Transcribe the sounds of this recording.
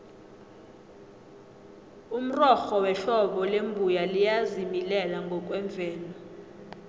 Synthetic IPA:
um̩rɔxɔwɛɬɔɓɔlembʱujalijazimilɛlaŋɡʱɔk̬ʼwɛɱb̪vʱɛːlɔ

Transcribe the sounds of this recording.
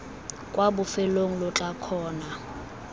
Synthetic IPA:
kʼwabʊfɛloŋ̩lɔt͡ɬʼakʰɔːna

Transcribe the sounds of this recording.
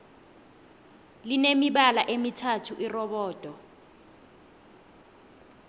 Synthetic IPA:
linemiɓalaʔemitʰatʰuʔirɔɓɔːd̥ʼʱɔ

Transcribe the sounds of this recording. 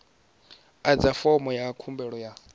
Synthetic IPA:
ad͡zafɔmɔjakʰumbɛɺɔja

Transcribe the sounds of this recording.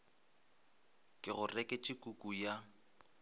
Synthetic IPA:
kʼɪɣʊrɛkʼɪt͡ʃʼɪkʼukʼuja

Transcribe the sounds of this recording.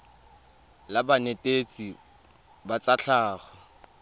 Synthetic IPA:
labanetʼet͡sʼi | bat͡sʼaɬʰaːχɔ

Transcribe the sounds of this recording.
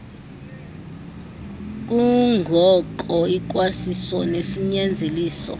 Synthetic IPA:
k̬uŋɡʱɔǃɔik̬wasisɔnesiɲɛnd͡zʱeliːsɔ̰

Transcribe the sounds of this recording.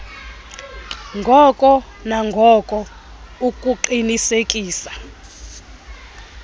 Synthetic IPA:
ŋɡʱɔkʼɔ | naŋɡʱɔkʼɔ | ukʼuǃinisekʼiːsḁ

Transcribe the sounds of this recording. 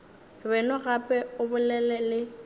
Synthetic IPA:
bɛnɔɣapʼɛʊbʊlɛlɛlɪ

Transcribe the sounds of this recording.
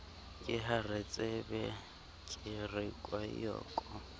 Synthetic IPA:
kʼɪɦaret͡sʼebɛ | kʼɪrɪkʼwajɔ̰ːkʼɔ

